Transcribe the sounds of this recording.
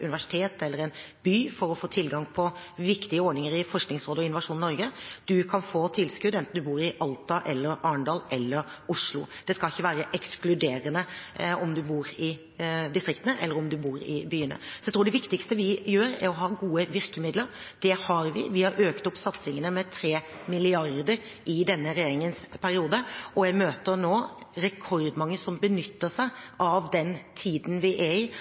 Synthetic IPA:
ʉ̰nɪʋæʂɪ̥t̪ʰeːt̪ɛlːəɾɛnbyːfɔɾɔfoːt̪ʰɪlːɡɑŋpʰɔʋɪkt̪ɪəɔɖɳnɪŋəɾɪfɔʂknɪŋsɾoːd̪əɔɪnːʊʋɑʂuːnɪnɔɾɡəd̪̥ʉkʰɑnfoːt̪ʰɪlskʉd̪ɛnt̪n̩d̪ʉbuːɾɪʔɑlt̪ɑʔɛlːəɾɑːəɳɖ̪ɑːlʔɛlːəɾʊʂlʊ̰d̪̥ɛskɑlɪçːəʋæːɾəʔɛksklʉd̪eːɾənəɔmd̪ʉbuːɾɪ | d̪ɪst̪ɾɪkt̪ənəʔɛlːəɾɔmd̪ʉbuːɾɪ̰byːənə̰sɔjæɪt̪ɾuːɖ̪ɛʋɪkt̪ɪkst̪əʋɪjøːɾæ̰ɾɔɦɑːɡuːəʋɪɾkəmɪd̪ləɾ | d̪̥ɛhɑɾʋɪ̰ʋɪhɑɾʔøːkt̪ɔpːsɑt̪sɪŋənəmɛt̪ʰɾeː | mɪlɪɑɾd̪əɾ | ɪd̪ɛnːəɾɛjeːɾɪŋənspʰæɾɪuːd̪əʔɔjæɪmøːt̪əɾnoːɾɛkʰɔɾd̪mɑŋːəsɔmbənʏt̪ːəʂæɪʔɑʋd̪ɛnt̪ʰiːd̪n̩ʋɪʔæɪ

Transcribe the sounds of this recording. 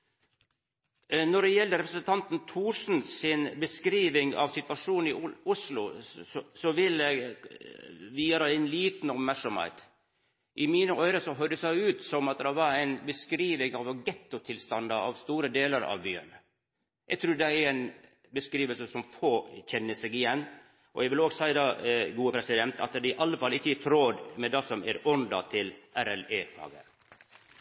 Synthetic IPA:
nɔɖɛjɛld̪əɾɛpɾəsənt̪ʰɑnt̪n̩t̪ʰuːʂn̩sɪnbəskɾiːʋɪŋɑ̰ʋsɪt̪ʋɑʂuːnɪʊslʊ̰ | sɔʋɪlə | ʋiːəɾəɛɪnliːt̪n̩ɔpmæɾʂɔmhɛ̰ɪt̪ | ʔɪmiːnəʔœʏɾəsɔɦœʏd̪əsæɪʉːt̪sɔmɑt̪̚d̪ɛʋɑɾæɪnbəskɾiːʋɪŋɑʋɑɡɛt̪ːʊt̪ʰɪlst̪ɑnd̪əɑ̰ʋst̪uːɾəd̪eːləɾɑ̰ʋbyːə̰n | ɛɡ̚t̪ʰɾʉːɾd̪ɛæɾæɪn | bəskɾiːʋəlsəsɔmfoːçɛnːəsɛɡɪjɛnː | ʔɔ̰jæɡʋɪloːɡsæɪd̪ɑːɡuːəpʰɾɛsɪd̪ɛnt̪ʰɑ̰t̪d̪ɪɪʔɑlːəfɑlːɪçːəæt̪ʰɾoːd̪mɛd̪ɑsɔmæ̰ɾɔnd̪ɑ̰t̪ʰɪlʔæɾɛleːfɑ̰ːɡə̰

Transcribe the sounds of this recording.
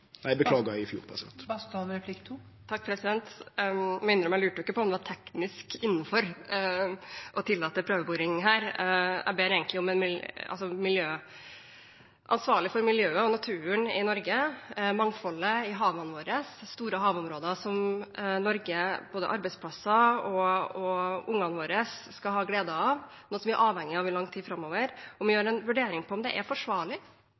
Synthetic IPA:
næɪbəkʰlɑːɡəæɪfjṵːɾpʰɑsɪɛ̰nt̪bɑst̪ɑnɾɛpʰlɪkt̪ʰu | t̪ʰɑkːpʰɾɛsɪd̪ɛnt̪ | mɛʏnɾɔmæɪlʉːʈəʊɪkːəpʰɔmd̪ɛʋɑʈʰɛknɪskɪnːəfɔɾ | ʔɔt̪ʰɪlːɑːt̪ːəpʰɾøːʋəbuːɾɪŋɦæːɾæ̰beːɾeːɡənlɪɔmɛnmɪɑ̰lsɔmɪljøː | ʔɑnsʋɑːɭɪfɔɾmɪljøːəɔnɑt̪ʰʉːəɳɪnɔɾɡəmɑŋfɔlːəɪɦɑːʋənəʋoːɾəsːt̪uːɾəɦɑːʋʊmɾoːd̪əsɔmnɔɾɡəb̥oːd̪ə̰ʔɑɾbæɪspʰlɑsɑɔɔʊŋːɑnʋoːɾəsːkɑɦɑːɡleːd̪ɑɑʋnuːəsɔmʋɪæɾʔɑːʋhɛŋːɪɑʋɪlɑŋt̪ʰiːfɾɑmːɔːʋəɾɔmɪjøːɾɛnʋʉɖeːɾɪŋpʰɔɔmd̪ɛ̰ʔæɾfɔʂʋɑːɭɪ

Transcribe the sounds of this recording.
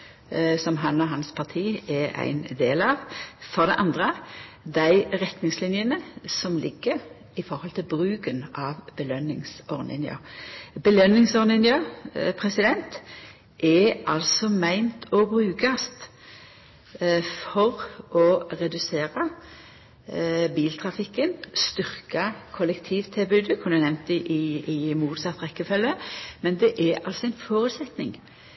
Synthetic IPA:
sɔmɦɑnɔɦɑnspʰɑʁt̪ʰiːɛæ̰ɪnd̪eːlɑːʋfɔʁd̪ɛʔɑnd̪ʁə | d̪æɪʁɛt̪nɪŋslɪnjənəsɔmlʔɪ̰ɡːəɾ | ɪfɔɾhɔlt̪ʰɪlbʁʉːkənʔɑːʋbəlœnːɪŋsɔʁnɪ̰njɑ̰bəlœnːɪŋsɔʁnɪnjəpʰʁɛsɪd̪ɛnt̪ | ʔɛʔɑlsɔmæɪnt̪ʰɔbʁʉːkɑst̪ | fɔʁʔɔʁɛd̪ʉseːɾɑ | biːlt̪ʰʁɑfɪkːənst̪ʏʁkɑkʰɔlɛkt̪ʰiːʋt̪ʰɪlbʉːd̪əkʰʊnd̪ænɛʋnt̪̚ɪʔɪɪmuːt̪sɑt̪ːʁɛkːəfɛlːəmɛnd̪ɛʔɛɾʔɑlsɔæɪnfoːɾʉt̪sɛt̪nɪ̰ŋ

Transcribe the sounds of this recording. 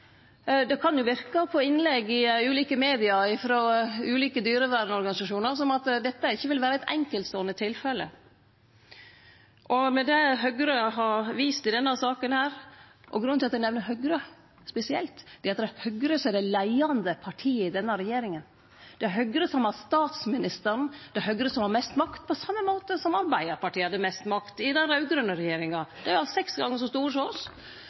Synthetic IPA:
d̪ɛkʰɑnjʊʋɪɾkɑpʰɔɪnːlɛɡːɪʉːliːkəmeːd̪ɪɑɾɪfɾoːʉːliːkəd̪yːɾəʋæːɾnɔɾɡɑnɪsɑʂuːnəɾsɔmɑt̪d̪ɛt̪ːəɪçːəʋɪlʋæːɾəæɛt̪ɛ̰ŋkəlt̪sɔnːət̪ʰɪlfɛlə̰ | ʔɔmɛd̪ɛɦœɡɾəɦɑɾʋiːst̪ɪd̪ɛnːɑsɑːkənhæːɾɔ̰ɡɾʉnːt̪ɪlɑt̪d̪ɛnɛʋnəɾɦœɡɾə | spɛsɪɛ̰lt̪d̪̥ɛɑt̪d̪ɛhœɡɾəsɔɛd̪ɛlæɪɑnd̪əpʰɑʈʰiːəɪd̪ɛnːəɾɛjeːɾɪŋən | d̪̥ɛɦœɡɾəsɔmɑst̪ɑːt̪smɪnɪst̪əɾɳd̪̥ɛhœɡɾəsɔmhɑɾmɛst̪mɑkt̪̚pʰɔsɑmːəmoːt̪əsɔmɑɾbæɪəɾpɑʈʰiːəhɑd̪ːəmɛst̪mɑkt̪ɪd̪ɛɾɑʉɡɾœnəɾɛjeːɾɪŋɑd̪̥ɛæɾʊɑlsɛksɡɑŋːəʂ̬ɔst̪uːɾʂoːs

